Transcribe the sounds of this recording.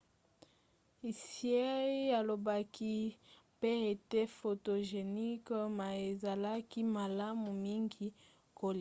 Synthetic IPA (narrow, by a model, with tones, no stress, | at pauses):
i˨si˨˦e˦a˨lo˨ba˦kʰi˦pe˦e˨te˦fo˨to˨ʒe˨ni˦kma˨e˨za˨la˦ki˦ma˨la˦mu˨mi˦ŋɡi˦ | ko˦li˨